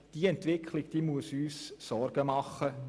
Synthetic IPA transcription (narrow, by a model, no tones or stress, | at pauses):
d̥iːɛnt̪ʋɪkχlɪɡd̪̥iːmuəsyːsːɔrɡ̥əmɑχːə